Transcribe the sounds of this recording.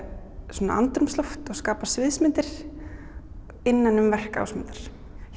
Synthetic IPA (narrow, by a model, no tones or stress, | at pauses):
sɔːna̰ʔa̰nt̪ɾʏmsloft̪ɔɣskaːpasvɪðsmɪnt̪ɪɾ̥ | ɪnːanʏmvɛr̥ka̰wsmɪ̰nt̪aɾ̥